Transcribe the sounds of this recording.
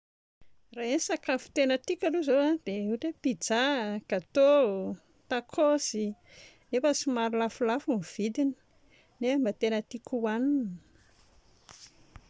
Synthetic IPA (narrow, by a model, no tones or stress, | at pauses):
raensakafu̥t̪enət̪ikʲaluzoad̪̥euʈ͡ʂepid͡zaɡ̥at̪o | t̪akʰosi | nefəsimaɾulafulafumv̥id̪ini̥ | nembat̪enət̪ikʰuwaninə̥